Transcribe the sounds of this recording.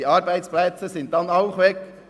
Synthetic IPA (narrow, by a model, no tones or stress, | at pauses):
iɑɾbæɪt̪splɛt͡səsɪnt̪̚d̪ɑnɑʊχʋɛk